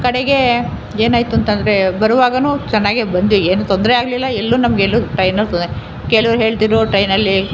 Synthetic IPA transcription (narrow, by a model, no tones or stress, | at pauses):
kɐɽeɡe̞ | eːnaːjt̪uɐnt̪ɐnd̪ɐɾe̞bɐɾuʋaːɡɐnuːt͡ʃɛnːaːɡebɐnd̪ʋieːnut̪ond̪ɾɛaːɡɐlilːɐɛlːuːnɐmɡelːuʈɐjnɐlt̪ond̪ɾe | keːɭuʋɐɾɦe̞ːɭt̪iːɾuʈɐjnɐlːi